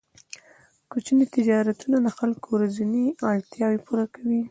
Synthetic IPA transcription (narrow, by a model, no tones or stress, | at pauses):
kot͡ʃinet̪ɪd͡ʒɑɾat̪unalaxalkowɾazuneaɽt̪jɑwepuɾakawi